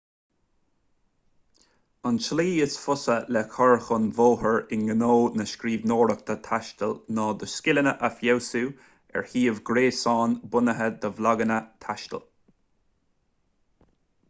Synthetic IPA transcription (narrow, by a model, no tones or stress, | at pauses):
anʃliːəsfʊsəlɛkʰɔɹxʊnvoːhəɹɪnɡənoːnəʃkɾiːvnoːɾək̚t̪ʰət̪ʰaʃt̪əlnɑːd̪əskɪlənəʔafjɛwsuː | ɛ̰ɹhiːəvɡɾeːsɑːnbʊnəɦəd̪əvlaɡənət̪ʰaʃt̪ə̰l